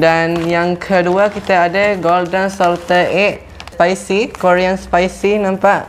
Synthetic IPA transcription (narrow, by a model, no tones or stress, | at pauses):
danjaŋkʰəduakit̪aːdəɡɔldənsɔlt̪əɛʔ | spajsikoɾianspajsinãmpaʔ